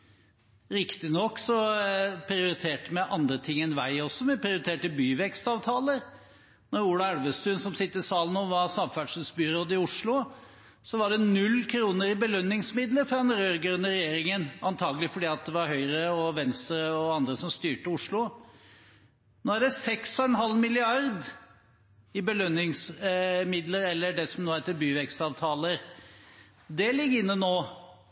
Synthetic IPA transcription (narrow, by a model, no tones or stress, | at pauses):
ɾɪkt̪ɪnɔkːsɔpʰɾɪʊɾɪt̪ʰeːʈəmɛʔɑnd̪ɾət̪ʰɪŋːɛnʋæɪɔsːɔmɛpʰɾɪʊɾɪt̪ʰeːʈəbyːʋɛkst̪ɑːʋt̪ʰɑːləɾ | nɔɾuːlɑæɽʋəst̪ʉːnsɔmsɪt̪ːəɪsɑːlənoːʋɑɾsɑmfæɖʂʉsbyːɾoːd̪əɪʊʂlʊ | sɔʋɑɖɛnʉlːkʰɾuːnəɾɪbəlœnːɪŋsmɪd̪ləɾfɾɑɛnɾøːɾɡœnəɾɛjeːɾɪŋənɑnt̪ʰɑːɡəlɪfɔɖiːɑt̪̚d̪ɛʋɑɾɦœʏɾəɔʋɛnst̪ɾəɔɑnd̪ɾəsɔmst̪yːʈəʊʂlʊ | noːæɖɛsɛksɔɛnɦɑlmɪlɪɑɾd̪ | ɪbəlœnːɪŋsmɪd̪ləɾɛlːəɖɛsɔmnoːhæɪt̪əbyːʋɛkst̪ɑːʋt̪ʰɑːləɾ | d̪ɛlɪɡːɪnːənoː